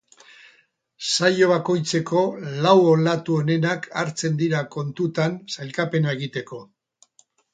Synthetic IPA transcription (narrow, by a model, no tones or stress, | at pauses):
sajo̞β̞ako̞jt͡se̞ko̞lawolat̪uone̞nakʰaɾt͡se̞nd̪iɾako̞nt̪ut̪ansajlkape̞nae̞ɣit̪e̞ko̞